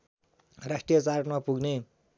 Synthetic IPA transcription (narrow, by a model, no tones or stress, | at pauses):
rasʈijʌt͡sarkmapuɡne